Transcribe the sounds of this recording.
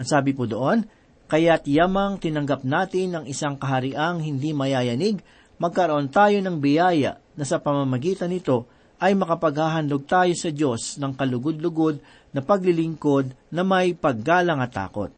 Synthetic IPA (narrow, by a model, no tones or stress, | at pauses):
ʔɐŋsaːbɪpud̪oʔo̞n | kɐjat̪jamɐŋt̪ɪnɐŋɡɐp̚naːt̪ɪnːɐŋʔɪsaŋkɐɦɐɾɪʔaŋhɪnd̪imɐjaːjɐniɡ | mɐɡ̚kɐɾoʔo̞nt̪aːjo̞nɐŋbɪjaːjɐ̰ʔnɐsɐpɐmɐmɐɡiːt̪ɐnɪt̪o̞ | ʔɐjmɐkɐpɐɡhaːɦɐnd̪oɡ̚t̪aːjo̞sɐd͡ʒo̞snɐŋkɐlʊɡod̪lʊɡo̞d̪̚ | nɐpɐɡlɪlɪŋko̞d̪̚nɐmɐjpɐɡ̚kalɐŋɐt̪a̰ːko̞̰t̪̚